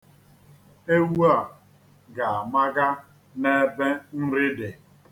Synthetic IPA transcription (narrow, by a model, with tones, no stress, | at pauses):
e˦wu˦a˨ | ɡa˨a˨ma˦ɡa˦ | ne˦be˦n̩˦ɾɪ˦de˨